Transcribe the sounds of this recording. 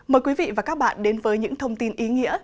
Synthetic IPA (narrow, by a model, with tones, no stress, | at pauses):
məː˨˩jkwi˨˦vḭ˧˨vaː˨˩kaː˦˥k̚ɓa̰ː˧˨nɗe˨˦nvəː˨˦jɲɨ̰˧˥ŋt̪ʰə˧wŋ͡mt̪i˧nʔi˨˦ŋḭ˧˥ə